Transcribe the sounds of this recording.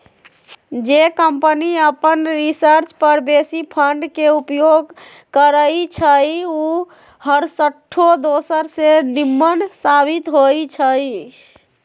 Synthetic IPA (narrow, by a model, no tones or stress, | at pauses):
d͡ʒekəmpəniəpənɾisəɾt͡ʃpəɾbesipʰəɳɖkeupjoɡ | kəɾəjt͡ʃʰəju | həɾsəʈʰːod̪osəɾsenimːənsabit̪ɦojt͡ʃʰəj